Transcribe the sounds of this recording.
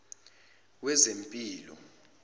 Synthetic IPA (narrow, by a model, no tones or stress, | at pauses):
wɛzempʼiːlɔ̰